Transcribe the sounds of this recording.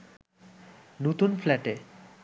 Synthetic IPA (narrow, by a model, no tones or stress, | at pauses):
not̪unflɛʈe